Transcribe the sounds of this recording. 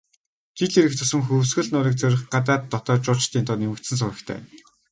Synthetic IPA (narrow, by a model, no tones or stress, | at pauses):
t̪ʰit̪iɾɘ̆kt̪ɵsɘ̆ŋxɵwsɡɘ̆ɮnʊːɾiːk̚t͡sœɾʲɪ̆χɢat̪aːt̪ːɔt̪ɔːt͡ɕʊːɮt͡ɕt̪ʰiːnt̪ʰɔːnemɘ̆kt̪sɘ̆ns̬ʊɾə̆kt̪ʰæ̰ː